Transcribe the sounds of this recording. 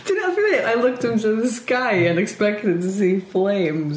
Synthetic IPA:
d̥ɨdⁿnɨfiiʔa̰ɪlʊk̚tɨ̃mtɨðɨskaɪɨ̃nɨkspɛk̚tɨd̚tɨsiflẽɪ̃mz

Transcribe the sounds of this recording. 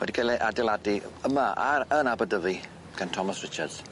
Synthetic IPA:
wɛ̰diɡʰɛlɛʔadɛlˠadiəmaʔa̰ɾənabədəvi | ɡ̥antʰɔmasrɪt͡ʃadz̥

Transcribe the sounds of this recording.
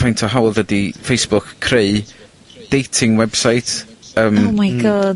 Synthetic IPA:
ajntʰɔɦawlˠdədifejsb̥ʊkkʰːreɨ | d̥ejtʰɪŋwɛb̥sajtʰəmmiɡə

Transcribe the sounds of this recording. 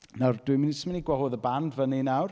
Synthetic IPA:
nard̥wɪmɪnisəməniɡwɔɦoːðəbandvəninawr

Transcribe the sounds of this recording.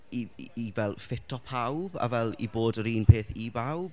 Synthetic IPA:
iivɛlˠfɪtʰɔpʰawba̰vɛlˠḭboːdəɾiːnpʰeːθibawb̥̚

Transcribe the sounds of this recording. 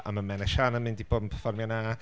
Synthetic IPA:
a̰manmɛnɛʃanəmɪndib̥oːdm̩pʰɛrfɔrmjana

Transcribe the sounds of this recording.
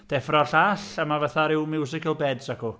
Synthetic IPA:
d̥ɛfrɔɬaɬəmavaθaɾɪwmɪwsɪkəlˠbɛdsakʰɔ

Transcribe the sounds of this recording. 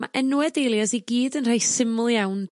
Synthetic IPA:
ma̰ʔɛnuwɛdejlˠjasiɡiːdənr̥ajsɪmʊlˠjawn

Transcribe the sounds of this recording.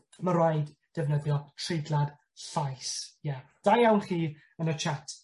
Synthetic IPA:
məɾɔɨd | d̥ɛvnəðjɔtʰrejdlˠad̥ | ɬajsjɛd̥ajawnriː | ənət͡ʃʰatʰ

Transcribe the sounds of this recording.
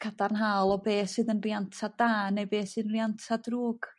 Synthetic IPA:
kʰadarnɦaːlˠɔbeːsɨːðənrjantʰadaːnejbeːsɨːðənrjantʰadruːɡ̥

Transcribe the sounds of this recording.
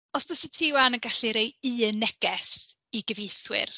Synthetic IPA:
ɔsbəsitʰɪwanənɡaɬiɾejɨənɛɡ̥ɛs | iɡəvejθwɪ̰r

